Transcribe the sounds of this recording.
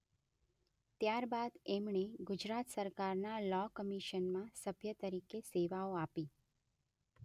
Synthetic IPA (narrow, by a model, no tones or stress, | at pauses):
t̪jaɾbad̪emɳeɡʊd͡ʒɾat̪səɾkaɾnalɔkəmiʃənmãsəbʱjət̪əɾikeseʋaoapi